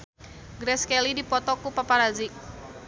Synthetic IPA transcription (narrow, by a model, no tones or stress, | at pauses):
ɡɾɛskɛlidipɔt̪ɔkupapaɾazik̚